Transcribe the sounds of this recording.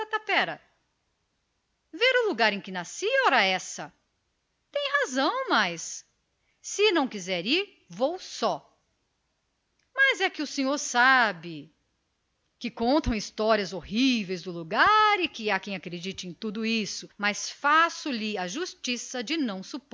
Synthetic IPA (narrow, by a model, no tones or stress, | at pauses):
ɐt̪apɛɾɐ | veɾʊluɡaɾẽj̃kɪnasiɔɾɐɛsɐ | t̪ẽj̃ɦazɐ̃w̃majsː | ɪnɐ̃w̃kizɛɾiɾ | vowsɔ | mɐzɛkɪʊsẽɲoɾsabɪ | kɪkõnt̪ɐ̃w̃ist̪ɔɾiɐzohivejzd̪ʊluɡaɾɪkɪakẽj̃akɾed͡ʒit͡ʃɪẽj̃t̪ud̪ʊisʊmɐsfasʊlɪɐʒust͡ʃisɐd͡ʒɪnɐ̃w̃sup